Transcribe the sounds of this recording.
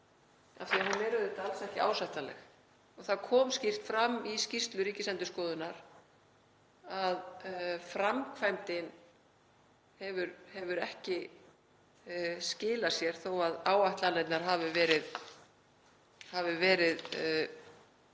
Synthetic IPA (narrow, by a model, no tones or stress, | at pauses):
a̰fθiahanvɛːɾʏðɪt̪alsɛhcɪʔa̰ːwsajht̪alɛ̰x | ɔɣθaðkʰɔːmscir̥t̪fɾamːiscist̪lʏɾiːcɪsɛnt̪ʏskɔːðʏnaɾ̥ | aðfɾamkʰvajmt̪ɪn | hɛvʏɾhɛvʏɾɛhcɪ | scɪːlasjɛɾ̥θowaðaːwajht̪lalɛt̪naɾ̥ɦaːvɪvɛːɾɪð | havʏvɛːɾɪð